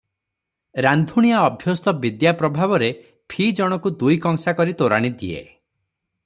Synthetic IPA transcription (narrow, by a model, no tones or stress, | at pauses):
ɾand̪ʱuɽ̃iaɔbʱjɔst̪ɔbid̪japɾɔbʱabɔɾe | pʰid͡ʒɔɽ̃ɔkud̪ujkɔŋsakɔɾit̪oɾaɽ̃id̪ḭḛ